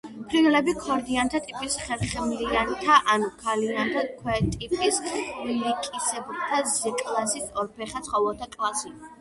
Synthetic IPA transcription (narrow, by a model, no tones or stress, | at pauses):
pʰɾiɛlɛbikʰɔɾd̪iant̪ʰat̪ʼipʼisχɛlχɛmliant̪ʰaʔanukʰaliant̪ʰakʰwɛt̪ʼipʼisvilikʼisɛbult̪ʰazɛkʼlasit̪sʰɔɾpʰɛχat̪sʰχɔvɛlt̪ʰakʼlˠasi